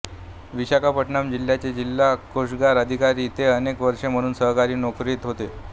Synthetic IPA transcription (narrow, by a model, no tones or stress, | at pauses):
ʋiɕakapəʈɳamd͡ʑilːjat͡ɕed͡ʑilːakoʂɡaɾəd̪ʱikaɾiːt̪eənekʋəɾʂem̤əɽ̃uːnsəɦkaɾiːnokɾiːt̪ɦot̪e